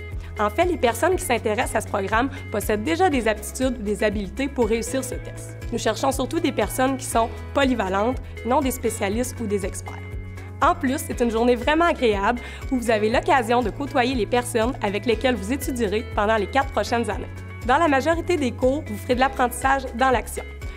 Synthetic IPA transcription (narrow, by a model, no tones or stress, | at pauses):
ɑ̃fɛlepɛʁsɔnkʲi̥sɛ̃t̪eʁɛsasə̥pχɔɡʁam | pɔsɛd̪̚ːeʒad̪ezap̚t̪i̥t̪yd̪ud̪ezabilit̪epuʁːeysiːʁsət̪ɛs | nuʃɛʁʃɔ̃syʁt̪ud̪epɛʁsɔnkʲi̥sɔ̃ | pɔlivalɑ̃t̪ | nɔ̃d̪espesjalɪst̪ud̪ezɛkspɛ̰ːʁ | ɑ̃plysːet̪ynʒuʁnevʁɛmɑ̃aɡʁeabl | uvuzavelɔkazjɔ̃d̪əkot̪wajelepɛʁsɔnavɛklekʲɛlvuzet̪yd͡z̪iʁepɑ̃d̪ɑ̃lekat̪̚χpχɔʃɛnzanḛ | d̪ɑ̃lamaʒɔʁit̪ed̪ekuʁvufəʁ̥ed̪əlapχɑ̃t̪i̥saːʒd̪ɑ̃laksjɔ̰̃